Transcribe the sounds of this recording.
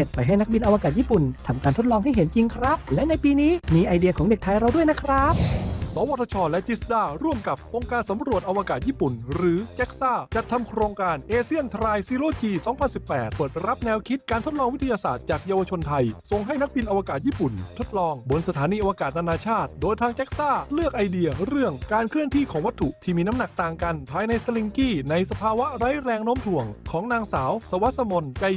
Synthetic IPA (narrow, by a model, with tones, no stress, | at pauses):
e˨˩t̪̚pa˧jɦa˥˩jna˦˥k̚bi˧nʔa˧wa˧kaː˨˩jiː˥˩pu˨˩nt̪ʰa˧mkaː˧nt̪ʰo˦˥t̪̚lɔː˧ŋɦa˥˩jɦe˩˦nt͡ɕi˧ŋkʰɾa˦˥p̚lɛ˦˥na˧jpiː˧niː˦˥miː˧ʔa˧jdi˧ɐkʰɔː˩˦ŋde˨˩t̪ʰaː˧jɾa˧wdu˥˩əjna˦˥kʰɾa˦˥p̚sɔː˨˦wa˧˥t̪ʰːa˧t͡ɕʰɔː˧lɛ˦˥t͡ɕi˦˥sdaː˥˩ɾu˥˩əmka˨˩p̚ʔo˧ŋkaː˧nsa˨˩˦mɾu˨˩ət̪̚ʔa˧wa˧kaː˨˩t̪̚jiː˥˩pu˨˩nɾɯː˩˦t͡ɕe˦˥k̚saː˥˩t͡ɕa˨˩t̪ʰːa˧mkʰɾoː˧ŋkaː˧nʔeː˧si˥˩ənt̪ʰɾaː˧jsiː˧˥loː˥˩t͡ɕiː˧sɔː˩˦ŋpʰa˧nsi˨˩pːɛː˨˩t̪̚pɤː˨˩t̪̚ɾa˦˥p̚nɛː˧wkʰi˦˥t̪̚kaː˧nt̪ʰo˦˥t̪̚lɔː˧ŋwi˦t̪ʰːa˧jaː˧sa̰ː˨˩t̪̚t͡ɕaː˨˩k̚jaː˧wa˧t͡ɕʰo˧nt̪ʰa˧jso˧ŋɦa˥˩jna˥k̚bi˧nʔa˧wa˧kaː˨˩t̪̚jiː˥˩pu˨˩nt̪ʰo˦˥t̪̚lɔː˧ŋbo˧nsa˧t̪ʰaː˩˦niː˧ʔa˧wa˧kaː˨˩t̪̚naː˧naː˧t͡ɕʰaː˥˩t̪̚doː˧jt̪ʰaː˧ŋt͡ɕɛ˦˥k̚saː˥˩lɯ˥˩ək̚ʔa˧jdi˧ɐɾɯ˥˩əŋkaː˧nkʰɾɯ˥˩əŋt̪ʰiː˥˩kʰɔː˩˦ŋwa˦˥t̪ʰːu˨˩ʔt̪ʰiː˥˩miː˧na˦˥mna˨˩k̚t̪aː˨˩ŋka˧npʰaː˧jna˧jsa˧li˧ŋkiː˥˩na˧jsa˧pʰaː˧wa˦˥ɾa˦˥jɾɛː˧ŋnoː˦˥mt̪ʰu˨˩˦əŋkʰɔː˩˦ŋnaː˧ŋsaː˩˦wsa˧wa˦˥sa˧mo˧nt͡ɕa˧j